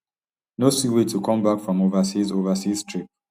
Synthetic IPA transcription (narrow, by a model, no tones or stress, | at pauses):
nosiwetʰukʰɔ̃mbakfɹɔ̃movəsizovəsiz̥tʰɹ̥ip̚